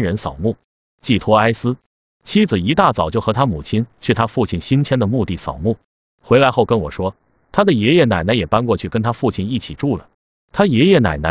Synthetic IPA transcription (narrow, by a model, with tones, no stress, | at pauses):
ɻə˧˥nsɑ̰˨˩ʊmu˥˩ | t͡ɕi˥˩t̪ʰwɔ˥a˥ɪsɹ̩˥ | t͡ɕʰi˥d͡zɹ̩˨˩i˧˥t̪a˥˩t͡sɑ˨˩ʊt͡ɕjo˥˩ʊxɤ˧˥t̪ʰa˥mu˨˩t͡ɕʰi˥nt͡ɕʰɥɛ˥˩t̪ʰa˥fu˥˧t͡ɕʰi˥˩nɕi˥nt͡ɕʰjɛ˥nd̪ə˨mu˥˧t̪i˥˩sɑ̰˨˩ʊmu˥˩ | xwe˧˥ɪla˧˥ɪxo˥˩ʊkə˥nwɔ̰˨˩ʂwɔ˥ | t̪ʰa˥d̪ə˨jɛ˧˥jɛ˥˩na˨˩ɪna˧˥ɪjɛ˨˩pa˥nkwɔ˥˧t͡ɕʰy˥˩kə˥nt̪ʰa˥fu˥˧t͡ɕʰi˥˩ni˥˩t͡ɕʰi˨˩ʈ͡ʂu˥˩lə̰˩ | t̪ʰa˥jɛ˧˥jɛ˥˩na̰˨˩ɪna˧˥